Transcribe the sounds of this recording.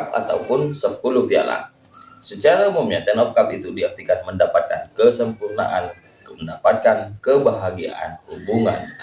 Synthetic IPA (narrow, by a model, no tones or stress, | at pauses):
pa̰t̪a̰wpʊnsəpulupia̰la̰ | sət͡ʃaɾaumumɲat̪ɛnɔfkap̚it̪udiart̪ikanməndapat̪̚ka̰nkəsəmpurna̰ʔan | məndapat̪̚kankəbaɦaɡia̰ʔa̰nhubuŋa̰n